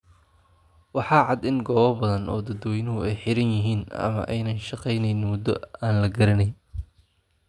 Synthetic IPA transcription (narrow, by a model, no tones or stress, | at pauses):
wɑħɑːʕɑd̪ɪŋɡɔːβɐbɐðɐnʔɔ̰ːd̪ɐd̪wɛjnʊɦʊɛjħɪɾɐnjɪɦiːnɐ̰mɐ̰ʔɛjnɐnʃɑqɛjnɛjnmʊd̪ɔ̰aːnlɐɡɐɾɐnɛj